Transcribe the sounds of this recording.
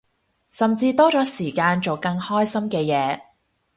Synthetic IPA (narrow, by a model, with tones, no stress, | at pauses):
sɐ˨mt͡siː˧t̪ɔː˥t͡ʃɔː˨˥siː˨˩kaː˧nt͡so˨wkɐ˧ŋhɔː˥jsɐ˥mkɛː˧jɛː˨˧˦